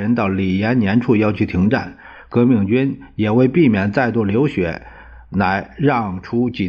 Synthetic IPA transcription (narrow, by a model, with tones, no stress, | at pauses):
ɻə˧˥nt̪ɑ˥˩ʊli˨˩jɛ˧˥nnjɛ˧˥nʈ͡ʂʰu˥˩jɑ˥˧ʊt͡ɕʰy˥˩t̪ʰi˧˥ŋʈ͡ʂa̰˥˩n | kɤ˧˥mi˥˩ŋt͡ɕy˥n | jɛ˨˩we˥˧ɪpi˥˩mjɛ˨˩nt͡sa˥˧ɪt̪u˥˩ljo˧˥ʊɕɥɛ̰˧˥ | na˧˥ɪɻɑ˥˩ŋʈ͡ʂʰu˥t͡ɕi˨˩